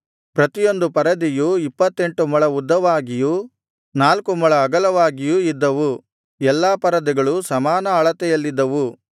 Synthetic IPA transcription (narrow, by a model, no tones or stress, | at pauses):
pɾɐt̪ijo̞nd̪upɐɾɐd̪ijuipːɐt̪ːe̞ɳʈumɐɭɐud̪ːɐʋaːɡiju | naːlkumɐɭɐːɡɐlɐʋaːɡijuid̪ːɐʋu | ɛlːaːpɐɾɐd̪iɡɐɭusɐmaːnɐɐɭɐt̪ɛjɐlːid̪ːɐʋu